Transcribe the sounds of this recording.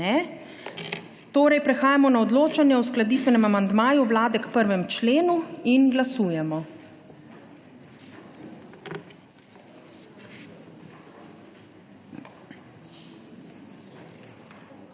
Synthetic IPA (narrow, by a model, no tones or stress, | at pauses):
ɛ | t̪oːɾɛjpɾɛxaːjamɔnaɔd̪loːt͡ʃanjɛɔsklad̪iːt̪ʋɛnɛmamand̪maːjuʋlaːd̪ɛkpəɾʋɛmt͡ʃleːnuinɡlasuːjɛmɔ